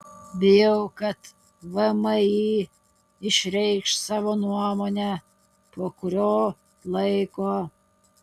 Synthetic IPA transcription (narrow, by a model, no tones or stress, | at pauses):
bʲɪjɛʊkɐt̪ | ʋɐmɐiː | ɪʃʲɾʲɛɪkʃsɑːʋoːnuɔmoːnʲæ | poːkʊɾʲoː | lˠɐɪkoː